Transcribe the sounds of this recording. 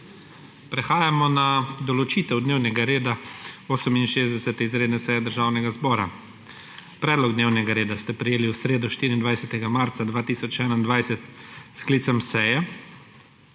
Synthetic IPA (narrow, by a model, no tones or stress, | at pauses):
pɾɛxaːjamɔnad̪ɔlɔt͡ʃiːt̪ɛwd̪neːwnɛɡaɾeːd̪aoːsəminʃeːzd̪ɛsɛt̪ɛizɾeːd̪nɛsɛjɛd̪əɾʒaːwnɛɡazbɔːɾa̰ | pɾɛːd̪lɔɡd̪neːwnɛɡaɾeːd̪ast̪ɛpɾɛjeːliwsɾeːd̪uʃt̪iːɾind̪ʋajsɛt̪ɛɡamaːɾt̪sad̪ʋaːt̪iːsɔt͡ʃɛːnaind̪ʋajsɛt̪sklit̪sɛmsɛjɛ